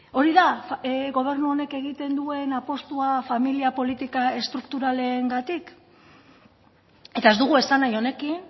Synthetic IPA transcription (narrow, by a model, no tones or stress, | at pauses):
o̞ɾiðaɣo̞β̞e̞ɾnuo̞ne̞ke̞ɣ̞it̪e̞nd̪ue̞napo̞st̪uafamiliapo̞lit̪ikae̞st̪ɾukt̪uɾale̞ːŋɡat̪ik | e̞t̪ae̞zd̪uɣ̞ue̞sanajo̞ne̞kin